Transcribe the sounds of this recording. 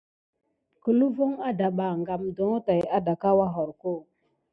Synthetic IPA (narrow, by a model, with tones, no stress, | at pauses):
kə˨lu˦vo˦ŋa˦da˨ɓa˨ŋɡa˨mdo˨˦ta˨ja˦da˨ka˦wa˦ɦɔ˨ɾko˦˨